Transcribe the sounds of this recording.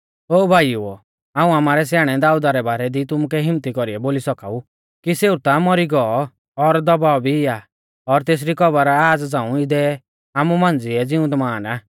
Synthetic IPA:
oːbʱaːjju | aːũamaːɾɛs̬jaːɽ̃ɛd̪aːud̪aɾɛbaːɾɛd̪it̪ʊmukɛɦɪmt̪ikɔɾiɛboːlisɔkaːu | kiseut̪amɔɾiɡɔɔ | ɔɾd̪ɔbaːɔbʱiɪa | ɔɾt̪eːs̬ɾikɔbəɾaːd͡zd͡zãːũɪd̪ɛ | aːmumãnd͡ziɛd͡zɪũd̪maːnaː

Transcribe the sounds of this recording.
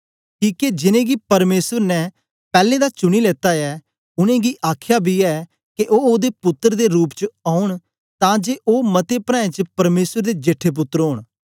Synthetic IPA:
kiːked͡ʒɪnẽːɡiːpəɾmeːsəɾnɛː | pɛːlẽːd̪aːt͡ʃʊɽ̃iːleːt̪aːɛː | ʊnẽːɡiːʔaːkʰjaːbʱiːɛː | kɪʔoːoːd̪eːpʊt̪ːəɾd̪eːɾuːpt͡ʃəaːʊɳ | t̪ãːd͡ʒeːʔoːmət̪eːpɾãːẽːt͡ʃəpəɾmeːsəɾd̪eːd͡ʒeʈʰːeːp̬ʊt̪ːəɾɦoːɳ̃

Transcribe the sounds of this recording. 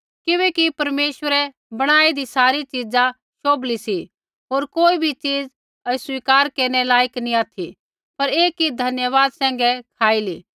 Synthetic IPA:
kɪʋɛ̃ːkipɐɾmeːʃwəɾɛ | bɐɽ̃aːid̪isaːɾit͡ʃid͡za | ʃoːblisi | ɦoːɾkoːibʱit͡ʃiːd͡z | ɐswiːkaːɾkeːɾñɛlaːjəknĩaːt̪ʰi | pɐɾeːkːid̪ʱɐnjəʋaːd̪sɛ̃ːŋ̆ɡɛkʰaːiliː

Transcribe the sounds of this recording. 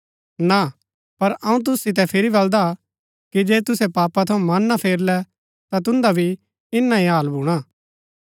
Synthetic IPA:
na | pɐɾɐũt̪̬ʊsːɪt̪̬ɛpʰɪɾibɐld̪a | kid͡ʒeːt̪ʊsɛpaːpat̪ʰɐũmɐnːapʰeːɾlɛ | t̪at̪ʊ̃nd̪abʱi | ɪnːaĩɦaːlbʱuːɽ̃aː

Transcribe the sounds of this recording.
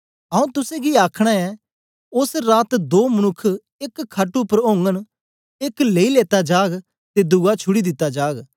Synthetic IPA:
ɐũt̪ʊsẽɡiaːkʰɽ̃aɛ | ʊsɾaːt̪d̪oːmɐnʊkʰː | eːkʰːaʈupəɾõːŋɡən | eːkleːileːt̪ad͡ʒaːɡ | t̪ed̪ʊɡat͡ʃʰʊɽid̪ɪt̪ːad͡ʒaːɡ

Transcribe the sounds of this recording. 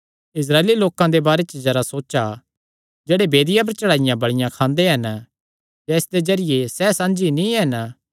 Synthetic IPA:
ɪs̬ɾaːeːliloːkãd̪ebaːɾet͡ʃd͡ʒɐɾasoːt͡ʃa | d͡ʒeːɽebeːd̪ɪjãp̬ɐɾt͡ʃɐɽaːɪjãbɐɽɪjãkʰãːnd̪eɦɐn | jɛɪsd̪ezɐɾɪjesɛsãːnd͡ʒinĩɦɛn

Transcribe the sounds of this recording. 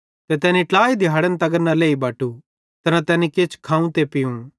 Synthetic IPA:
t̪et̪ɛːnĩʈlaːid̪ʱɪjaːɽənt̪ɐɡəɾnaleːibaːʈu | t̪ɐnãt̪ɛːnikeːt͡ʃʰkʰãːũt̪epɪjũ

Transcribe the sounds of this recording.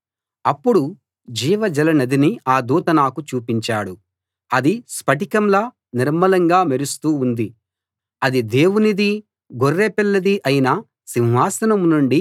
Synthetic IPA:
ɐpːuɽu | d͡ʒiːʋɐd͡ʒɐlɐnɐd̪iniaːd̪uːt̪ɐnaːkut͡ʃuːpiɲt͡ʃaːɽu | ɐd̪ispɐʈikɐmlɐ | niɾmɐlɐŋɡaːmeɾust̪uːnd̪i | ɐd̪id̪e̞ːwunid̪i | ɡorːeːpɛlːɐd̪iʔɐjinɐ | siwɦaːsɐnɐmnuɳɖi

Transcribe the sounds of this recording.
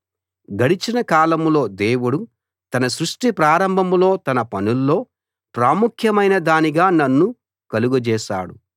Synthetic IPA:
ɡɐɽit͡ʃinɐkaːlɐmlo̞ːd̪eːwuɽu | t̪ɐnɐsɾuʂʈipɾaːɾɐmbʱɐmlo̞ːt̪ɐnɐpɐnulːo̞ː | pɾaːmukʰjɐmɐjnɐd̪aːniɡaːnɐnːu | kɐluɡud͡ʒɛːʃa̰ːɽṵ

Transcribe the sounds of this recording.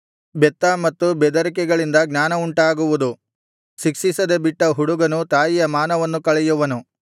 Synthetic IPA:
bɛt̪ːɐmɐt̪ːubɛd̪ɐɾikɛɡɐɭind̪ɐɡnʲaːnɐuɳʈaːɡuʋud̪u | sikʂisɐd̪ebiʈːɐɦuɽuɡɐnut̪aːjijɐmaːnɐʋɐnːukɐɭɛjuʋɐnu

